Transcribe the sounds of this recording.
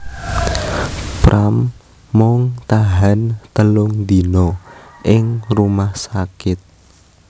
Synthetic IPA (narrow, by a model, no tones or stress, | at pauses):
pɾʔamː | ɔŋt̪aɦant̪əlʊŋd̪inɔʔɪŋrumahsakɪt̪̚